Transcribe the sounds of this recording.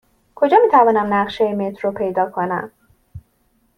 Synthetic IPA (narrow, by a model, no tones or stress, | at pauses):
kʰo̞d͡ʒɒːmiːt̪ʰævɒːnæmnæɢʃejemet̪ʰɾopʰe̞jd̪ɒːkʰo̞næ̰m